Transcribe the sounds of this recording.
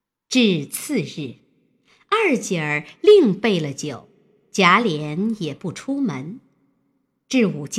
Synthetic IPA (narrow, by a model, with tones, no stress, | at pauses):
ʈ͡ʂɻ̩˥˧t͡sʰɹ̩˥˧ɻɻ̩˥˩ | a˥˧˩t͡ɕjə˨˩li˥˧ŋpe˥˩ɪlə˩t͡ɕjo˨˩˦ʊ | t͡ɕja˧˥ljɛ˧˥njɛ˨˩pu˥˩ʈ͡ʂʰu˥mə˧˥n | ʈ͡ʂɻ̩˥˩u˨˩t͡ɕ